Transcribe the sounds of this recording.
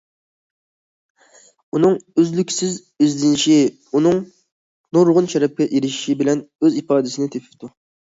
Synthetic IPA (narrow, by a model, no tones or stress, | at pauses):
unɨŋøzlykʲsɪz | yzd̪ɪnʃi | unɨŋ | noɾʊʁʊnʃɛɾɛp̚kʲɛʔiɾɪʃʃibɪlɛnøzipɑːd̪ɨsɪnɪt̪ʰepʰɪ̥pt̪ʰu